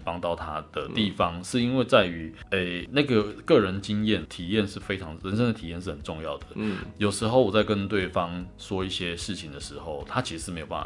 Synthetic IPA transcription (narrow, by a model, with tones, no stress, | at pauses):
pɑ˥ŋt̪ɑ˥˨ʊt̪ʰa˦d̪̥ə˨t̪i˥˩fɑ˧˦ŋʂɻ̩˥˩i˥nwe˥˧ɪt͡sa˥˩ɪy˧˥e˥˩ɪna˥˩ɡə˩kɤ˥˩ɻə˧˦nt͡ɕi˦ŋjɛ˥˩nt̪ʰi˨˩jɛ˥˧nʂɻ̩˥˩fe˥ɪʈ͡ʂʰɑ˧˦ŋɻə˧˦nʂə˥ŋd̪ə˨t̪ʰi˨jɛ˥˧nʂ̬ɻ̩˥˩xə˨˩nʈ͡ʂʊ˥˧ŋjɑ˥˨˩ʊd̪ə˩jo˨˩ʊʂɻ̩˧˥xo˥˩ʊwɔ˨˩t͡sa˥˧ɪkə˦nt̪we˥˩ɪfɑ˦ŋʂwɔ˥i˥˩ɕjɛ˦ʂɻ̩˥˩t͡ɕʰi˨ŋd̪ə˩ʂɻ̩˧˦xo˥˩ʊt̪ʰa˥t͡ɕʰi˧˥ʂɻ̩˧ʂ̩ɻ̩˥˩e˧˥ɪo˨˩pa̰˥˩